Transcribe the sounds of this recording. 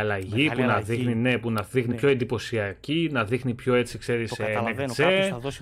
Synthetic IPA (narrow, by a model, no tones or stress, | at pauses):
ɐlɐʝipunɐðixnine̞punɐðixnipço̞end̪ipo̞siɐcinɐðixnipço̞e̞t͡sikse̞ɾisnekt͡se